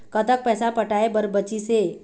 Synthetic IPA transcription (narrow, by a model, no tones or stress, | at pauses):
kət̪ək̚pɛːsapəʈaːebəɾbət͡ʃiseː